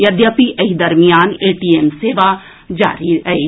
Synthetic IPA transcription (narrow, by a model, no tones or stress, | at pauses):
jɐd̪jaːpiʔɐɦid̪ɐɾmijaːneːʈiemseːʋa | d͡ʒa̰ːɾiɛeː